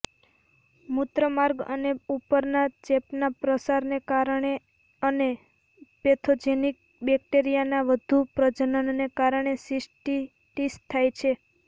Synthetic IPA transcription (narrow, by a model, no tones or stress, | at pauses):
mut̪ɾəmaɾɡə̰neupəɾnat͡ʃepnapɾəsaɾnekaɾɳe | əne | pet̪ʰod͡ʒenik̚ | bɛk̚ʈeɾijanaʋəd̪ʱupɾəd͡ʒənənːekaɾɳ̃esɪsʈi | ʈist̪ʰːajt͡ʃʰe